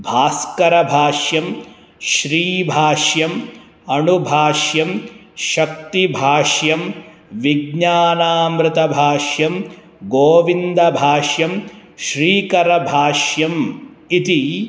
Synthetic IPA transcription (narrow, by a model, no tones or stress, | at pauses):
bʱaːskɐɾɐbʱaːʃjɐm | ʃɾiːbʱaːʃjɐm | ɐnubʱaːʃjɐmʃɐk̚t̪ibʱaːʃjɐm | ʋiɡɲaːnaːmɾɪt̪ɐbʱaːʃjɐm | ɡoːʋind̪ɐbʱaːʃjɐm | ʃɾiːkɐɾɐbʱaːʃjɐm | it̪i